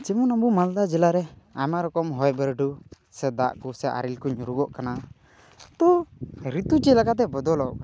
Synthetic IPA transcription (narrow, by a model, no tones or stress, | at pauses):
t͡ʃɛmɔnabumald̪ad͡ʒɛlaɾɛamaɾɔkɔmɦɔjbɛɾɖu | sɛd̪a̰ʔkusɛʔa̰ɾilkuɲuɾuɡɔʔkana | t̪ɔɾit̪ut͡ʃɛlakat̪̬ɛbɔd̪ɔlɔk